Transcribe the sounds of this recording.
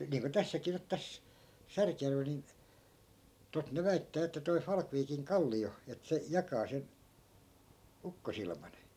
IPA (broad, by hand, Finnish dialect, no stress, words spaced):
niːŋko tæsːækiː nyt tæs særkjærʋel nin tot ne ʋæitːæː etːæ toi fɑlkʋiːkiŋ kɑlːio et se jɑkɑː sen ukːosilmɑn